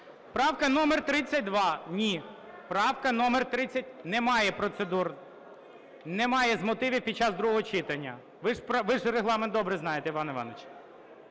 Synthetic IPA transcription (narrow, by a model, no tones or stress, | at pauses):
pɾɑwkɐnɔmert̪ɾɪt͡sʲːɐt̚ʲd̪ʋɑnʲi | pɾɑwkɐnɔmert̪ɾɪt͡sʲːɐt̚ʲnɛmɑjɛpɾɔt̪sed̪ur | nɛmɑjɛzmɔt̪ɪʋʲiwpʲid̪̚t͡ʃːɑzd̪ɾuɦɔɦɔt͡ʃɪt̪ɐnʲːɐ | ʋɪʒpʋɪʒreɦlˠɑment̪ɔbɾɛznɑjet̪ɛiʋɑnɪʋɑ̰nɐt͡ʃ